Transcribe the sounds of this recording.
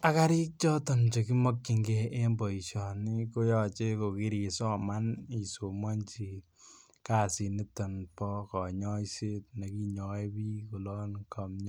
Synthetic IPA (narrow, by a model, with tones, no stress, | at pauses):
a˦ka˦ɾi˦k̚t͡ʃɔ˦tɔ˨nt͡ʃo˨k̬i˦mɔ˦kki˨ŋɡɛ˨ʔe˦mbɔ˨i˨ʃɔ˨ni˦ko˦jɔ˦t͡ʃe˦ko˨ki˦ɾi˨sɔ˦ma˦ni˨so˨mwa˦nt͡ʃi˨ | kaː˨si˨ni˦tɔ˨npɔ˦kɔ˨ɲɔ˦ise˦t̚ne˨ki˦ɲɔ˨e˦pi˦ko˨lɔ˦nkɔ˨mɲ˦